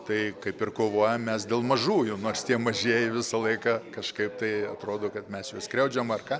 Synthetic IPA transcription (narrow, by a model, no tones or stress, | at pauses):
t̪ɐɪkɐɪpɪrkoːʋoːjɛmmʲɛsdʲeːlˠmɐʒuːjʊnoːrst̪ʲiɛmɐʒʲeːjɪʋʲɪsɐlˠɐɪkɑːkɐʃkɐɪpt̪ɐɪɐt̪ɾoːd̪oːkɐt̪mʲɛsjuɔsʲkɾʲɛʊd͡ʒʲomɐrkɑː